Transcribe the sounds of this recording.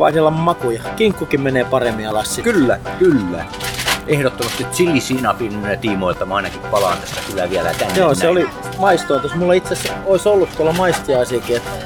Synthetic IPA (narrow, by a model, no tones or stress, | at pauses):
ʋɑ̰isilːɑmmɑkujɑkiŋkːukimmeneːpɑremːiɑlɑssikylːækylːæ̰ | ehɾot̪ːomɑst̪iot̪silːisiːnɑpinynet̪iːmoilt̪ɑmɑˑinɑkippɑlɑ̰ːnt̪æst̪ːækylæʋiælæ̰t̪ænːjoːseoli | mɑist̪oint̪osmulːɑit̪sesoisolːut̪t̪uolːɑmɑist̪iɑisiɑkiet̪